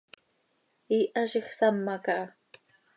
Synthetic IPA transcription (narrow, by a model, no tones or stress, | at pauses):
iʔaʃeχsamːakaʔ